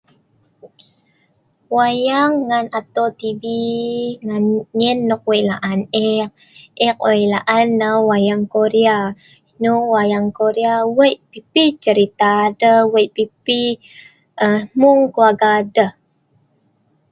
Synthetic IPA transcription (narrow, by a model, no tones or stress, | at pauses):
wajaŋːanat̪ot̪ibiŋanɲinːɔk̚wəjʔlaʔanɛk̚ | ʔɛk̚ojlaʔanːawajaŋkoɾia | nuwajaŋkoɾiawəjʔpipit͡ʃəɾit̪adəwəjʔpipi | ʔəmuŋkuaɡadə